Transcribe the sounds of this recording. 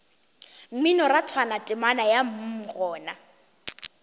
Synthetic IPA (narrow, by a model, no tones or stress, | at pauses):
m̩mɪnɔratʰwanatʼɪmanajam̩m̩ɣɔːna